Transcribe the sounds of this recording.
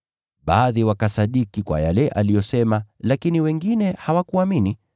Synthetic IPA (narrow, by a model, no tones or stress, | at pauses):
ɓaːðiwakasaɗikikwa̰jalɛʔalijɔsɛmalakiniwɛŋɡinɛhawakuamini